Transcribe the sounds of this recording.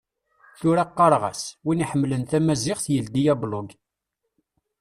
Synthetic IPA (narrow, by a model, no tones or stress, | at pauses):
θʊɾæqːɑɾˤʁæ̰swiniħəmːlənθæmæzɪʁθjəld̪ijæblʊɡ